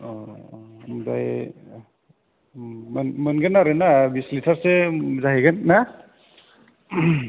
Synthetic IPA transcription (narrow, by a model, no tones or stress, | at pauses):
ɔ | mdaj | mnmɯnɡɯnːaɾɯnabislitʰaɾsezaɦiɡɯnːa